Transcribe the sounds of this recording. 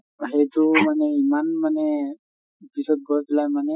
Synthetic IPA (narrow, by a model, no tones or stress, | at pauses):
ɦet̪umaneimanmane | p̪isɔt̪̚ɡɔɾt̪lajmane